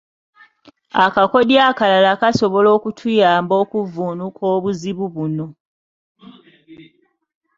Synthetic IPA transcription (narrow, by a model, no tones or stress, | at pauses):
akako̞djakalalakaso̞βo̞lo̞ːkutʰujaːmbo̞ːkuvuːnukʰo̞ːβuziβuβuno̞